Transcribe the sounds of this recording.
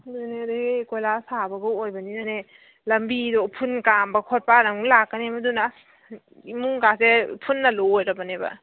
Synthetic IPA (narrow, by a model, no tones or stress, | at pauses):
dunedikojlasabɐɡuojbɐninane | lɐmbidopʰunkambɐkʰot̚panɐŋlakːɐnemɐduna | imuŋkasepʰunːɐlojɾɐbɐnebɐ̰